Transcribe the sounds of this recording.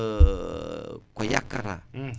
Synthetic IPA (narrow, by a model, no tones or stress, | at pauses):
koja̰kaɾa